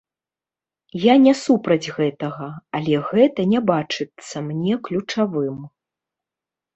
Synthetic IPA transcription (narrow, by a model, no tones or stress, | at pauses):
janʲɛsupɾɐd͡zʲɣɛt̪ɐɣɐɐlʲɛɣɛt̪ɐnʲɛbat͡ʂɨt̪sːɐmnʲɛklʲut͡ʂavɨm